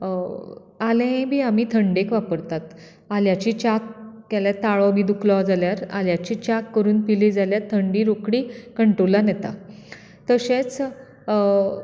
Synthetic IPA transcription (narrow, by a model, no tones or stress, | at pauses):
alẽbʱiːamiːt̪ʰəɳɖekʋapəɾt̪at̪ | aljat͡ɕiːt͡ɕakkaljat̪aɭɔbʱid̪uklɔd͡zaljaɾa̰ljat͡ɕiːt͡ɕakːəɾuːnpilid͡zaljat̪ʰːəɳɖiːɾokɽiːkəɳʈolanɛt̪a̰ | t̪əɕẽt͡s